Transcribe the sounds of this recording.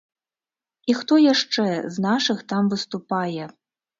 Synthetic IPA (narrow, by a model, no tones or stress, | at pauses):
ixt̪ɔjaʂt͡ʂɛznaʂɨxt̪amvɨst̪upajɛ